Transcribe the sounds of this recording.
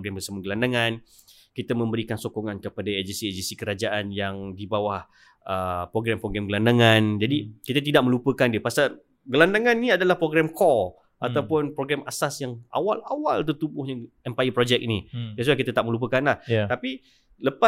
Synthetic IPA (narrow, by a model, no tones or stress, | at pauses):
ɡɾambəsaməɡəlandaŋãn | kit̪amə̃mbəɾikansokoŋankəpadaed͡ʒənsied͡ʒənsikəɾad͡ʒaʔanjaŋdibawah | əpɾoɡɾɛmpɾoɡɾɛmɡəlandaŋãnd͡ʒadikit̪at̪idaʔ̚mə̃lupəkandiəpasa | ɡəlandaŋãnnĩadalahpɾoɡɾɛmkʰɔl | ʔat̪awpʊnpɾoɡɾɛmasasjaŋʔa̰wala̰wa̰lt̪ərt̪ubʊhɲaɛmpajəpɾod͡ʒɛk̚inijas̬uakit̪at̪aʔ̚mə̃lup̬əkanlaht̪api | ləpa